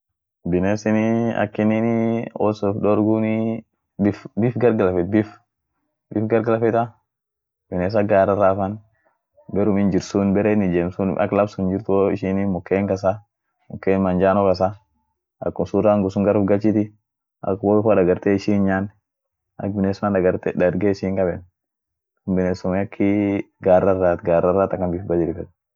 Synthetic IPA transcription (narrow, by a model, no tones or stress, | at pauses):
bɪneːsɪniɐ̰kːɪnɪnɔsɔfɗɔɾɡuni | bɪfbɪfɡɐɾɡɐlɐfɛt̪̚bɪf | bɪfɡɐɾɡɐlɐfɛt̪a | bɪneːs̬ɐɡaːɾɐɾːaːfɐn | bɛɾʊmɪnd͡ʒɪɾsunbɛɾeːnɪd͡ʒeːmsʊnʔɐ̰kːlɐbsʊnd͡ʒɪɾt̪ʊoɪʃɪnimʊkːeːŋkɐsa | mʊkːeːnmɐnd͡ʒaːnɔkɐs̬a | ɐ̰kːʊsuɾaŋɡʊsʊŋɡɐɾʊfɡɐlt͡ʃit̪ɪ | ɐ̰kboɪfaᶑɐɡɐɾt̪eːɪʃiːnɲaːn | ɐ̰k̚bɪneːsʊmandɐɡɐɾt̪edɐɾɡeːɪʃiːŋkɐbɛn | ʊmbɪneːsʊmɛɐkʰːɪ | ɡaːrːɐrːaːt̪ɡaːrːɐraːt̪ɐkːɐnbɪfbɐd͡ʒɪɾɪfɛt̪